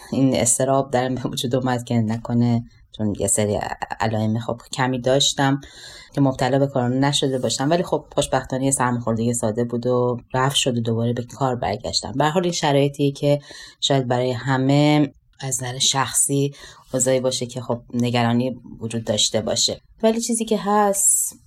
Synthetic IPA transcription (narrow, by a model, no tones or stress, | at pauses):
inḛst̪ʰe̞ɾɒːb̚d̪æɾæmbevud͡ʒuːd̪oːmæd̪̥cʲʰe̞nækʰo̞ne | t͡ʃʰonjeseɾḭæ̰lɒːemexo̞b̥cʰæmiːd̪ɒːʃt̪æmcʰe̞mob̥̚t̪ʰælɒːbe̞kʰɒːɾnenæʃo̞d̪e̞bɒːʃæmvæliːxo̞b̥xo̞ʃbæxt̪ɒːnijesæɾmexo̞ɾd̪eɟesɒːd̪e̞buːd̪oɾæfʃo̞d̪od̪obɒːɾebekʰɒːɾbæ̰ɾɟæ̰ʃt̪æ̰mbæɾɦɒːliːnʃæɾɒːje̞t̪ʰijecʰe̞ʃɒːjæd̪̚bæɾɒːje̞hæme̞ | æzzæɾeʃæxsiːoːzɒːiːbɒːʃecʰe̞xo̞b̚ne̞ɟæɾɒːniːvod͡ʒuːd̪ːɒːʃt̪e̞bɒ̰ːʃe̞ | væliːt͡ʃʰiːziːcʰe̞ɦæst̪